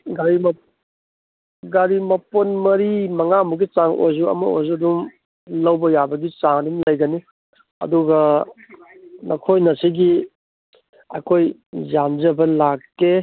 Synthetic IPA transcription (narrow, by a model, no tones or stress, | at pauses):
ɡaɾim | ɡaɾimɐponmɐɾimɐŋamuɡit͡ʃaŋʔo̰jzuɐ̰mɐ̰o̰jzudum | lɐwbɐjabɐɡit͡ʃaŋdumlɐjɡɐni | ɐ̰duɡɐ | nɐkʰojnɐsiɡi | ɐ̰kʰoj | zamd͡ʒɐbɐlakːe